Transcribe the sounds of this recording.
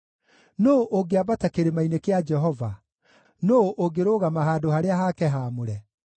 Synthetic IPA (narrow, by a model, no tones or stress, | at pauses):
noʔoɡeabatakeɾemainekead͡ʒɛɦɔva | noʔoɡeɾoːɣamaɦaːdohaɾeaɦakɛɦaːmoɾɛ